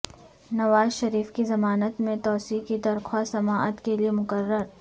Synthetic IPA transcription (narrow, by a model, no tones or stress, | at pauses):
nɐʋaːzʃɐɾiːfkizɐmaːnət̪mẽt̪ɔːsiːkid̪ɐɾxʰwaːsɐmaːʔət̪keliemʊkəɾːəɾ